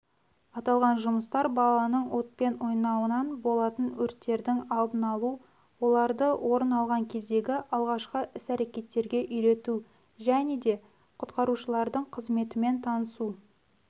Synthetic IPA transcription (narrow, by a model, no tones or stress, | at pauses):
ɑt̪ɑlˠʁɑnʒʊməst̪ɑɾbɑlˠɑnəɴwo̞t̪̚pe̞nwo̞jnɑwənɑnbo̞lˠɑt̪ənwɵɾt̪ːe̞ɾd̪ɪŋɑlˠbənɑlˠu | wo̞lˠɑɾd̪əwʔo̞ɾənɑlˠʁɑŋkʲʰe̞zd̪e̞ɡʲɪʔɑlˠʁɑʃqəʔɪsæɾe̞kʲe̞t̪ːe̞ɾɡʲe̞ʔʏjɾe̞t̪u | ʒæne̞d̪e̞ | qʰʊt̪qɑɾuʃəlˠɑɾd̪əɴqʰəzme̞t̪ɪme̞nt̪ʰɑnəsu